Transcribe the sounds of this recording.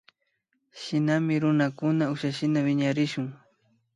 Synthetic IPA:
ʃɪnamɪɾʊnakʊnaʊʃaʃɪnawɪɲaɾɪʃʊŋ

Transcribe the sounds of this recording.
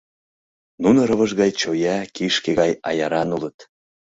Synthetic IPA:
nunəɾə̆βə̆ʒɣɑjt͡ɕojækiʃkeɣɑjɑ̰jɑɾɑnulət̪

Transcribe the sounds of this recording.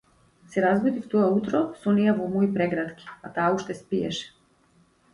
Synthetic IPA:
sɛɾazɡɔd̪ift̪ɔaut̪ɾɔsɔnijavɔmɔipɾɛɡɾat̪kʲi̥at̪aːuʃt̪ɛspiɛ̰ʃɛ̥

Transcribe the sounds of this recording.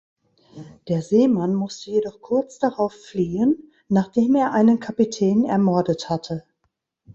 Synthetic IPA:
d̥eːɐzeːmanmʊstəjedɔχkʰʊɐt͡sd̥aʁaʊffliːənː | aːχd̥eːmeːɐʔaɪnənkʰapitʰɛːnɛ̰ɐmɔɐdəthatʰə

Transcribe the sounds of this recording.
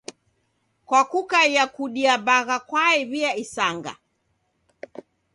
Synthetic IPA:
kwakukaijakuɗiabaɣakwaɛβiaisaŋɡa̰

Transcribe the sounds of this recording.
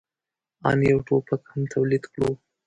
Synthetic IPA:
ɑ̰njawʈopakhamt̪ʰawlid̪kɽo

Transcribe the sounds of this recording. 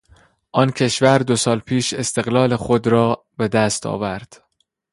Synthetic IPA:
ʔɒːncʰe̞ʃvæɾd̪o̞sɒːlpʰiːʃe̞st̪e̞ɣlɒːle̞xod̪ɾɒː | be̞d̪æst̪ʰɒ̰ːvæɾd̪̥

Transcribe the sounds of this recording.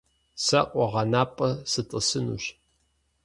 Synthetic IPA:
sɐqʷʼɔʁɐnaːpʼɐsɨtʼɨsɨnṵːɕ

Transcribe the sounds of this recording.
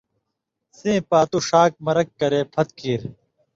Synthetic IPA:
sẽːpaːt̪uʂaːk̚mɐɾɐkːɐɾeːpʰɐt̪̚kiːɾ

